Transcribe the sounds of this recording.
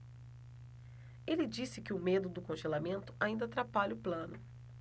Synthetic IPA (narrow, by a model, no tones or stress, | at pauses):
elɪd͡ʒisɪkɪʊmed̪ʊd̪ʊkõʒelamẽnt̪ʊ̥ʔaĩnd̪ɐat̪ɾapaʎɐʊplɐ̃nʊ